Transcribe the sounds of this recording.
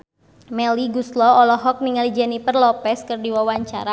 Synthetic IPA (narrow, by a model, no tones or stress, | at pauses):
mɛliɡuslɔɔlɔɦɔk̚niŋalid͡ʒanipərlɔpɛskərdiwawaɲt͡ʃa̰ɾa